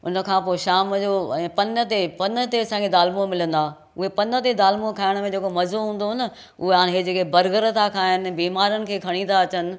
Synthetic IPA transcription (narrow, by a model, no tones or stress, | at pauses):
ʊ̰nə̆kʰãːpoːʃaːmd͡ʑoːɛ̃ːpɐnət̪epɐnt̪eɐsãːɡʰed̪aːlmũmɪlə̃nd̪aː | ʊɦepɐnət̪ed̪aːlmũõkʰaːɪɽ̃mẽd͡ʑeːkomɐzoɦũːn̆d̪oɦɪnə | ʊɦeaːñɦed͡ʑeːkebɐɾɡəɾət̪ʰakʰaːɦɪnɪ̆biːmaːɾənɪ̆kʰeːkʰɐɽ̃ĩt̪ʰaɐt͡ɕənɪ̆